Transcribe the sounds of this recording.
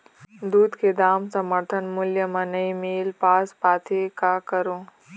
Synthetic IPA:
d̪uːd̪ked̪aːmsɐməɾt̪ʰənmʊljəmɐnəimeːlpaːspaːt̪ʰekakɐɾõː

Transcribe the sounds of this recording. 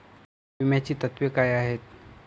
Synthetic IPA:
ʋimat͡ɕiːt̪ət̪ʋjəkajaːɦeːt̪

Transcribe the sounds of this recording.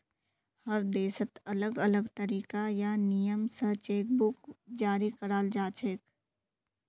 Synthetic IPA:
həɾd̪eːsət̪ələɡələɡt̪əɾiːkajanijəmsəɦt͡ʃeːk̚bʊkd͡ʒaːɾikəɾaːld͡ʒaːt͡ʃʰeːk

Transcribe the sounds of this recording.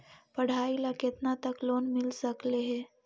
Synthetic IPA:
pəɽ̤ailaket̪nat̪əklonmilsəkleɦe

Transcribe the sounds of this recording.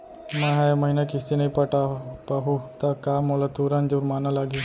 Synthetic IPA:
mãːɦaːjməɦiːnakɪst̪inəĩpəʈapaːɦuːt̪akaːmoːlat̪uːɾãːnd͡ʒoɾmaːnaːlaːɡe

